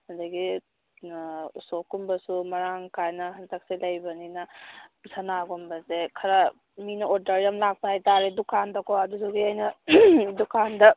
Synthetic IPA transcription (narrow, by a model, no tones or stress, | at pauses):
hɐndɐɡi | usokːumbɐsumɐɾaŋkajnɐɦɐntɐk̚selɐjbɐninɐsɐnaɡumbɐsekʰɐɾa | minɐoɾdɐɾɐmlak̚pahajtaɾedukʰandɔkɔɐdusuɡiajnɐdukʰandɐ